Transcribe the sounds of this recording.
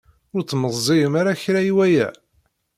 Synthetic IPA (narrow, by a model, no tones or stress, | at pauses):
ʊɾt͡sːməzˤzˤiəmaɾaçɾaiwæjæ̰